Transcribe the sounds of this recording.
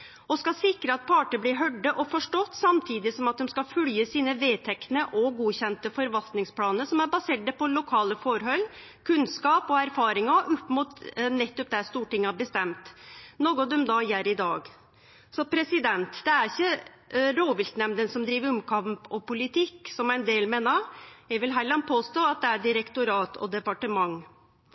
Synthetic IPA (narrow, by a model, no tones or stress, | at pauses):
ɔskɑsɪkɾəɑt̪̚pʰɑːʈəblɪɾɦœɖːəʔɔfɔʂʈɔt̪ːsɑmt̪ʰiːd̪ɪsɔmɑt̪̚d̪ɛmskɑfʉljəsiːnəʋeːt̪ʰɛk̪nəʔɔɡuːçɛnt̪əfɔɾʋɑlt̪nɪŋspʰlɑːnəsɔmæɾbɑseːʈ̚d̪ɛpɔlʊkʰɑːləfɔɾɦœʏl | kʰʉnskɑːpɔæɾfɑːɾɪŋɑʔʊpːmʊt̪nɛt̪ːɔp̚d̪æst̪uːʈɪŋːɑbəst̪ɛmt̪noːɡɔd̪ɔmd̪ɑjæɾɪd̪ɑːɡ | sɔpʰɾɛsɪd̪ɛnt̪d̪̥ɛæɾɪçːə | ɾoːʋɪlt̪nɛmd̪ənsɔmd̪ɾiːʋəɾɔmkʰɑmpɔpʊlɪt̪ʰɪkːsɔmæɪnd̪eːlmeːnɑɾjæʋɪlɦælɑnpʰoːst̪oːɑt̪̚d̪ɛæɖɪɾəkt̪ʊɾɑːt̪ʰɔ̰d̪ɛpɑʈəmɑŋː